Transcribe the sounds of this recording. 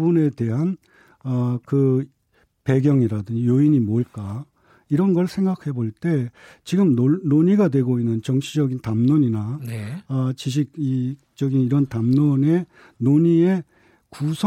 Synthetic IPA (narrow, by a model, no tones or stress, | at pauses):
bune̞te̞ɦan | ʌkɯ | pe̞ɡjʌŋiɾadɯnjoiɲimoɭk͈a | iɾʌnɡʌɭsʰe̞ŋɡak̚ʰe̞boɭt͈e̞ | t͡ɕiɡɯmonoɲiɡadwe̞ɡoinːɯnt͡ɕʌŋɕʰid͡ʑʌɡintamnoɲinaneʌt͡ɕiɕ̬ʰik̚i | t͡ɕ͈ʌɡiniɾʌntamnone̞ | noɲie̞ | kusʰ